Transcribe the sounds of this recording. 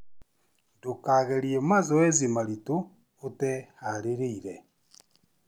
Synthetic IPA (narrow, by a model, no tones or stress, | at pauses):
dokaɣeɾiemazɔwezimaɾitoː | tɛhaɾeɾeiɾe